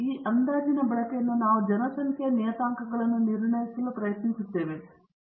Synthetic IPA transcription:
iːʔɐnd̪aːd͡ʒinɐbɐɭɐkejɐnːunaːʋud͡ʒɐnɐsɐŋkʰjɐnɛːt̪aːŋkɐɡɐɭɐnːuniɾɳɐjisɐlupɾɐjɐt̪nisut̪ːe̞ːʋe

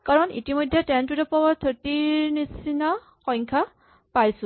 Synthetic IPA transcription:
kaɹɔnḭtimojdʱːɛtɛntudɔpɔwat̪ʰɔtinisina | kɔ̃jŋkʰa | pajsʊ̃

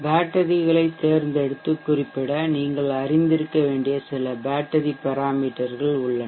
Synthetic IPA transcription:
baːʈːɐðɪɣɐɭɐɪt̪ːeːɾnd̪ɛɽɯt̪ːɯkːʊrɪpːɪɽɐniːŋɡɐɭɐɾɪnd̪ɪɾɯkːɐʋeːɳɖɪjɐsɪlɐbaːʈːɐɾipɐɾaːmiːʈːɐɾɣɐɭʊɭːɐ

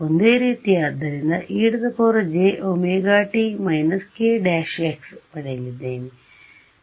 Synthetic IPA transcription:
ond̪eːɾiːt̪ijaːd̪ɐɾind̪ɐʔiːɽud̪ɐpoːɾɐd͡ʒeːʔomeːɡaːʈimɐjnɐskeːɖaːʂeːkspɐɽɐjilid̪eːni

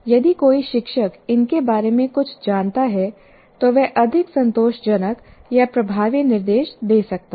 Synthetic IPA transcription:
jɐd̪ikoːiʃɪkʃəkɪnkebaːɾemẽkʊt͡ʃʰd͡ʒaːnt̪aɦɛ | t̪oʋɛʔɐd̪ʱɪksɐ̃nt̪oːʃd͡ʒɐnək | japɾɐbʱaːʋinɪɾd̪eːʃd̪eːsɐk̚t̪a

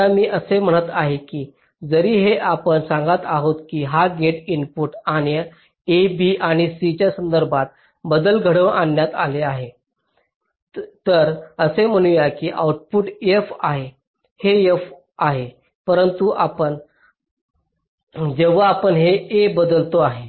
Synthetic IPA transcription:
amiːʔəsem̤əɽ̃ət̪aɦekiː | d͡zəɾiːɦeʔapənsãŋɡat̪aɦot̪kiːɦaɡeʈinpuʈanjə | ebiʔaɽ̃isit͡ɕjasənd̪əɾbʱat̪̚ | bəd̪əlɡʱəɽəʋanjat̪aleaɦe | t̪əɾəsem̤əɽ̃ujakiːʔa̰uʈ̚puʈefaɦe | hejef | aɦe | pəɾənt̪uʔapən | d͡ʑeʋaapəɳɦeebəd̪əlt̪oaɦe

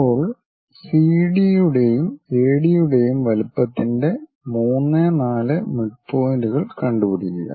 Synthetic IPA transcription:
ɐpːo̞ːɭ | siːɽijuɽe̞jumeːɽijuɽe̞jumʋɐlupːɐt̪ːinde̞ | muːnːenaːlɨmiʈfo̞ːɾuɣɐɭkɐɳɖupiɽiilːɐ̰

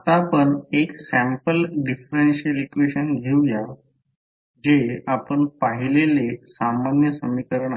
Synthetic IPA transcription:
ət̪apəɳeksæ̃mpəlɖifɾenɕəlikʋeɕənɡʱewja | d͡ʑeapəɳpaɦilelesamanjəsəmikəɾəɳ

